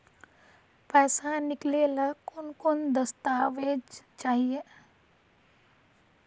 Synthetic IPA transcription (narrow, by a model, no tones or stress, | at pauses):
pɛːsanɪkleləkʊnkʊnd̪əst̪aːʋed͡ʒt͡ʃaːɦie